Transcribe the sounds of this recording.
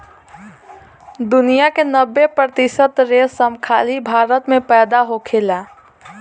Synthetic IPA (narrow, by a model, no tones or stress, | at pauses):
d̪unijakenəbːepɾət̪isət̪ɾesəmkʰalibʱaɾət̪mepɛːd̪aɦokʰela